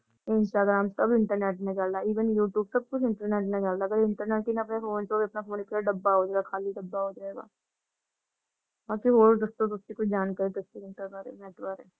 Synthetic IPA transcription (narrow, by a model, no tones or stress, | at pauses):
ɪnsʈaːɡɾaːmsɐbɪ̃ɳʈəɾneːʈned͡ʒaːlːaiːʋənjuːʈjuːbsɐb̚kʊt͡ʃʰɪ̃ɳʈəɾneːʈned͡ʒaːlaɐɡəɾɪɳʈəɾneːʈkinaɐpnefoːnsoːbiɐpnafoːnipːaɖɐbːaɦoːd͡ʒaːɡakʰaːliɖɐbːaɦoːd͡ʒaeːɡa̰ː | baːkiɦoːɾd̪ɐst̪od̪ʊst̪ikʊt͡ʃʰd͡ʒaːnkɐɾed̪ʊst̪iɪɳʈəbaːɾḛmɛːʈbaːɾeː